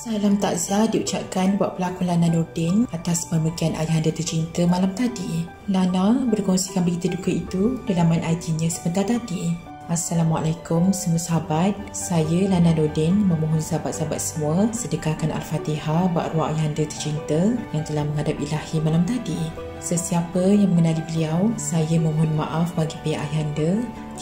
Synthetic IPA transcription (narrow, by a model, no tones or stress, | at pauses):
salamt̪aʔzadiut͡ʃap̚kanbaʔ̚pəlakunlanãnɔrdɛnat̪aspəməkianʔa̰jɦandət̪ərt͡ʃint̪əmãlamt̪adi | lanãbərkɔŋsikanbəɡit̪ədukəit̪udəlamãnʔajt̪iɲãsəbənt̪art̪adi | asːalama̰lajkʊmsəmuasaɦabat̪̚sajəlanãdodɛŋmə̃muɦʊnsaabat̪̚saaba̰t̪̚səmũəsədəkakanʔa̰lfat̪iɦaba̰ʔruaʔajandət̪ə̥rt͡ʃint̪əjaŋt̪əlahmə̃ŋɦadap̚ilahimalamt̪adi | səsiapəjaŋməŋənalibəliawsajəməmɦʊnma̰ʔafbaɡipeaʔa̰jandə